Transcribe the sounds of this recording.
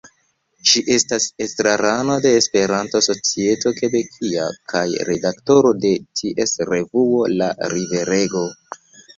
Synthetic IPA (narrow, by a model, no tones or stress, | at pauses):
ʃiʔe̞stasestɾaɾano̞de̞ːspe̞ɾantoso̞t͡sie̞to̞ke̞bekʰia̰kʰajɾe̞dakto̞ɾo̞de̞tʰiʔe̞sɾe̞vuo̞la̰ɾive̞ɾe̞ɡo̞